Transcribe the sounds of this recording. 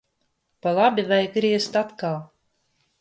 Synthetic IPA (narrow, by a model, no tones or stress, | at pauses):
palˠabʲivajɡɾiɛst̪at̪kalˠ